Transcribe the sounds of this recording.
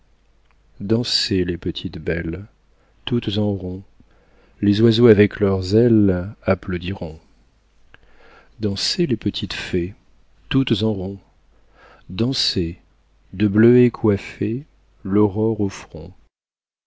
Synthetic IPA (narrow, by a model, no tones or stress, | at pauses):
d̪ɑ̃selepət̪ʰit̪bɛl | t̪ut̪zɑ̃ʁɔ̃ | lezwazoavɛklœʁzɛlaplod̪iʁɔ̃ | d̪ɑ̃selepət̪ʰit̪fe | t̪ut̪zɑ̃ʁɔ̃ | d̪ɑ̃se | d̪əbløekʰwafe | lɔʁɔʁofχɔ̰̃